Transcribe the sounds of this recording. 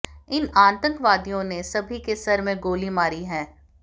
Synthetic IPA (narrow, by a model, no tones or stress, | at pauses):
ɪnãːnt̪ə̃ŋkʋaːd̪ijõnesɐbʱikesɐɾmẽɡoːlimaːɾiɦɛ̃ː